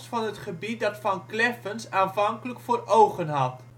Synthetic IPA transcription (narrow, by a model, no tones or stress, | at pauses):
sfɑnɦətχəbit̚dɑtfɑnklɛfənsaːnvɑŋkələkfʊːrowχənɦɑt